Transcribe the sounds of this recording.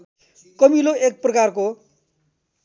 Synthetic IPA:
kʌmiloek̚prʌkarko

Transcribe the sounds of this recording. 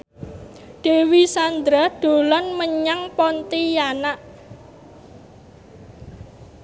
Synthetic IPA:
ɖ̪̥e̤wisand̪ɾad̪̥o̤lanməɲaŋpɔnt̪ijanaʔ

